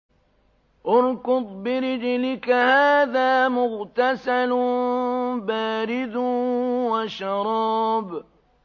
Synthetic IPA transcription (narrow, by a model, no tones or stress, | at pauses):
ʔʊɾkʊd̪ˤbɪɾɪd͡ʒlɪkahaːðaːmʊɣt̪asal | baːɾɪd̪ | waʃɑɾˤɑːb